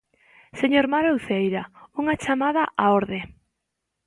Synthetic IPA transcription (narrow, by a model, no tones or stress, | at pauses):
seɲoɾmaɾowθejɾauŋat͡ʃamaðaʔaoɾðe